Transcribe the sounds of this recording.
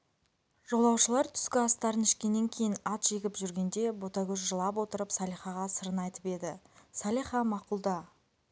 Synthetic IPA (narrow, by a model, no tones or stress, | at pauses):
ʒ̥o̞lˠɑwʃəlˠɑɾt̪ʰʏ̥skʲɪɑst̪ɑɾənɪʃkʲe̞nːeŋkʲʰe̞jɪnɑt̪ʒ̥e̞ɡʲɪpʒʏɾɡʲe̞nd̪e̞bo̞t̪ɑɡʲɵʃʒəlˠɑpwo̞t̪əɾəpsɑlijχɑʁɑsəɾənɑjt̪ə̥pe̞d̪ɪsɑlʲiχɑmɑqulˠd̪ɑ